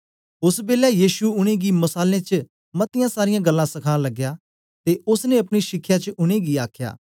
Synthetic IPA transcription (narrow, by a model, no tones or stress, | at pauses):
ʊsbeːlajiːʃuʊɽ̃ẽːɡimɐsaːlẽːt͡ʃə | mɐt̪ɪjãːsaːɾɪjãɡəlːãːsɐkʰãlɐɡːjaː | t̪eːʊsnẽɐpɽ̃iʃɪkʰːjaːt͡ʃəʊɽ̃ẽːɡiaːkʰja̰ː